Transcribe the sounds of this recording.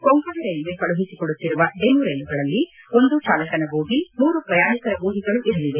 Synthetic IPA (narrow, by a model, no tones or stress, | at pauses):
koŋkɐɾɐɾɐjluʋekɐɭuɦisikɔɽut̪ːiɾuʋɐɖemuɾɐjnuɡɐɭɐlːi | o̞nd̪ut͡ʃaːlɐkɐnɐbuːɡimuːɾupɾɐjaːnikɐɾɐbuːɡiɡɐɭuʔiɾɐliʋe